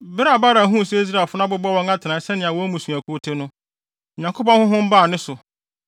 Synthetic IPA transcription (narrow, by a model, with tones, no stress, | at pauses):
bɪ˦ɾa˨ba˦ɾa˨ɦũ˦˨sɛ˦i˦s̬ɾa˨fʊ˦nã˦bʊ˦bɔ˦wɔ̃˦ŋa˦tʰɪ˨nã˨˦sɛ˦nɪ̃˨a˨wɔ̃˦mũ˨su˨æ˨kʰu˦o˦tʰe˦nʊ̃˦ | ɲã˨ŋkʰo˦pɔ̃˦hʊ̃˦ɦʊ̃˦m̩˦baː˦˨nɪ̃˦sʊ˨